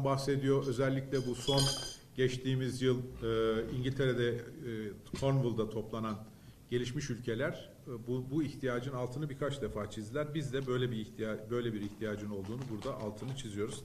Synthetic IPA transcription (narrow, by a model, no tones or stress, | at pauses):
mbaxse̞d̪ijo̞ʔø̞zɛlʲːiclʲɛbuso̞nɟɛt͡ʃt̪ʰiːmizjɯlˠɯiɲɟilʲt̪ʰe̞ɾed̪ɛ | kʰo̞ɾnvɯlˠd̪at̪ʰo̞plˠanan | ɟe̞lʲiʃmiʃylʲcʰe̞lʲæɾ̥ | bbuiçt̪ʰijaːd͡ʒɯnalˠt̪ʰɯnɯbiɾkʰat͡ʃd̪efaːt͡ʃʰizd̪ilʲæɾbizd̪ɛbøjlʲɛbibø̞jlʲebiɾiçt̪ʰijaːd͡ʒɯno̞lˠd̪uːnubuɾd̪aʔalˠt̪ʰɯnɯt͡ʃʰizijo̞ɾuz̥